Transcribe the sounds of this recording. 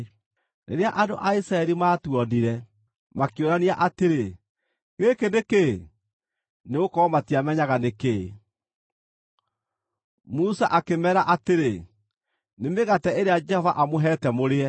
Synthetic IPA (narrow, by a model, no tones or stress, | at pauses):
nʔḛɾeaʔadoʔaisɾaɛɾimaːtuɔdiɾɛ | makeoɾaniaʔateɾe | ɣekeneke | neɣokɔɔmatiamɛɲaɣaneke | musaʔakemɛːɾaʔateɾe | nemeɣatɛeɾead͡ʒɛhɔvaʔamoɦɛtɛmoɾeɛ